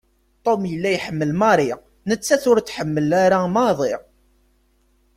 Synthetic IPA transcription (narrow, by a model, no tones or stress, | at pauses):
t̪ˤomjəlːæjħəmːəlmɑɾˤi | nət͡sːæθʊɾt͡sːħəmːəlaɾamɑðˤeʁ